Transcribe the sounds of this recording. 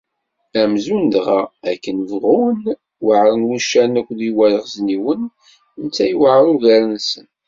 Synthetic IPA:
æmzund̪ʁaækːənvʁun | wəʕɾˤənwuʃːænækʷːðiwæləʁzniwən | nt͡sːæjwəʕɾˤuʝæɾənsən

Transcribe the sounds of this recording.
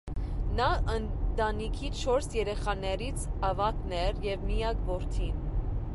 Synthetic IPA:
nɑʔənt̪ɑnikʰit͡ʃʰɔɾsjɛɾɛχɑnɛɾit͡sʰɑvɑknɛɾjɛvmijɑkvɔɾt̪ʰin

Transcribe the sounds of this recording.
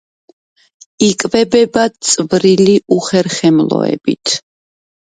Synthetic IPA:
ikʼvɛbɛbatt̪sʼvɾiliʔuχɛɾχɛmlˠɔ̰ɛ̰bḭt̪ʰ

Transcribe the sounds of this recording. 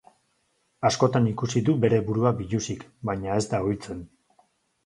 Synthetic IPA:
asko̞t̪anikusiðube̞ɾe̞βuɾuabiʎusikbajɲae̞zd̪aojt͡se̞n

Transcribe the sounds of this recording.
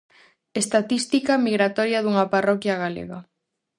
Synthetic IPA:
est̪at̪ist̪ikɐmiɣɾat̪ɔɾjɐðuŋɐparɔkjaɣalḛɣa

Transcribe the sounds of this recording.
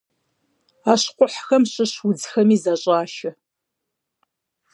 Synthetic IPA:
aːɕqʷʼʊħxɐmɕɪɕwʊd͡zxɐmiːzaɕʼaːʃɪ

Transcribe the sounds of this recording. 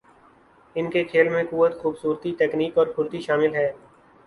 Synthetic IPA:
ɪnkekʰeːlmẽkuʋət̪xuːbsuːɾt̪it̪ɛːkniːkɔːɾkʰʊɾt̪iʃaːmɪlɦɛː

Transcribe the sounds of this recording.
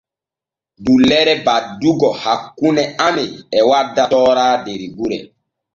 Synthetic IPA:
dulɛɾɛbaduɡɔhakːunɛameɛwadːatɔːɾaːdeɾiɡuɾɛ

